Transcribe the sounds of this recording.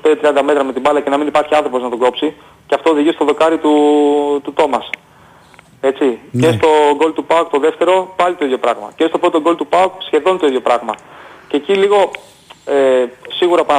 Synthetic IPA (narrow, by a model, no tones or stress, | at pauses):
ped̪it̪ɾiɐnd̪ɐme̞t̪ɾɐme̞t̪ibɐlɐce̞nɐminipɐɾçiɐnθɾo̞po̞znɐt̪o̞ɡo̞psi | ceɐft̪ooðiʝist̪o̞ðo̞kɐɾit̪ut̪ut̪o̞mɐs | e̞t͡sice̞st̪o̞ɡo̞lt̪upɐokt̪o̞ðe̞ft̪e̞ɾo̞pɐlit̪o̞iðʝopɾɐɣmɐ̰ce̞st̪opɾo̞t̪o̞ɡo̞lt̪upɐoksçe̞ðo̞nit̪oiðʝo̞pɾɐɣmɐceːciliɣo̞ | esiɣuɾɐpɐ